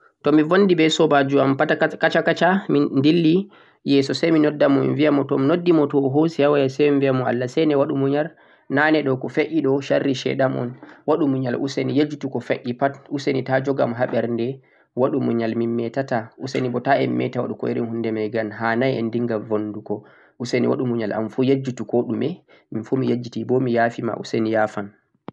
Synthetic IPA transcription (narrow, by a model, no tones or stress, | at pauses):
tɔmivondibɛsɔbad͡ʒuampaakat͡ʃakat͡ʃamindilːi | jɛsɔsajminɔdːamɔmḭnviamɔtɔminodːimɔtɔɦosihawajasɛjminvijamɔa̰lːasɛnɛwaɗumuɲal | nanɛɗɔkɔfeʔiɗɔʃarːiʃɛ̰ɗamɔ̰nwaɗumuɲalʔṵsenijed͡ʒutukɔfeʔipatusenitad͡ʒɔɡamɦaɓɛɾndɛ | waɗumuɲalmimːɛtataʔusenibɔtaɛmːɛ̰tawa̰ɗukɔiɾinhundɛmajɡanɦanajɛndiŋɡalvondukɔ | usenḭwa̰ɗumuɲalʔa̰mfujed͡ʒːutukɔɗumɛ | minfumijed͡ʒːitibɔmijafima̰ʔṵsenijafan